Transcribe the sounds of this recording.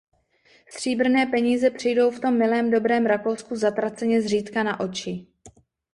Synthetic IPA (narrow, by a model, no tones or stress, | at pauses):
st̪r̝̥iːbr̩nɛːpɛɲiːzɛpr̝̥ɪjdo̞wft̪o̞mːɪlɛːmdo̞bɾɛːmɾako̞wskuzat̪ɾat͡sɛɲɛzr̝iːt̪kanaʔo̞t͡ʃɪ